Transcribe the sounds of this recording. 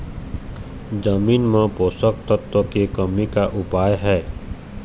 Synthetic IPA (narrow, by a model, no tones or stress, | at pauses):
d͡ʒəmiːnmẽpoːsək̚t̪ət̪wəkekəmikaʔʊpaːjɦɛː